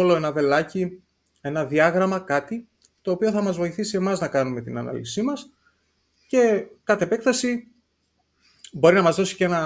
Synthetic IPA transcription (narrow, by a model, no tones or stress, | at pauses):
olo̞e̞nɐðe̞lɐci | e̞nɐðiɐɣɾɐmɐkɐt̪i | t̪o̞ːpio̞θɐmɐzvo̞iθisie̞mɐznɐkɐnume̞t̪inɐ̰nɐ̰lḭsimɐs | ce̞kɐt̪eepe̞kθɐsi | bo̞ɾinɐmɐzðo̞si̥cee̞nɐ